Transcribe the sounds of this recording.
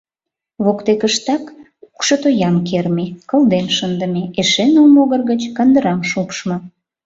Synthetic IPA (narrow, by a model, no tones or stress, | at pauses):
βokt̪ekəʃt̪ɑk | ukʃət̪ojɑmkermekə̆ld̪enʃənd̪əmeeʃenəlmoɣərɣət͡ɕkɑnd̪əɾɑmʃupʃmɤ̆